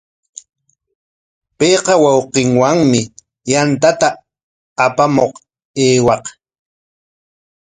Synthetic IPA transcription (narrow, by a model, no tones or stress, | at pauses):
pejqɑwɑwqɪŋwaŋmɪ | jant̪at̪aː | pamoq | eːwɑq